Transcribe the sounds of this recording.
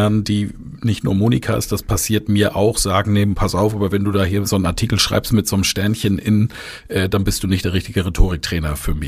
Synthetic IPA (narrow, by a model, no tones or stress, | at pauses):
ndiː | nɪçtnṵːɐmoːnḭkʰaʔɪ̰std̥aspʰasiːɐtmiːɐʔaʊxz̥aːɡŋ̩neːbm̩pʰasaʊfʔaːbɐvɛnduːdaːɦiːɐzonənaɐtʰiːkl̩ʃʁ̥a̰ɪpstmɪtz̥oːnəmʃtɛɐnçənʔɪn | ʔɛːd̥anbɪstd̥uːnɪçtd̥eːɐʁ̞ɪçtɪɡəʁetʰoːʁɪk̚tʁ̥ɛːnɐfyːɐmɪ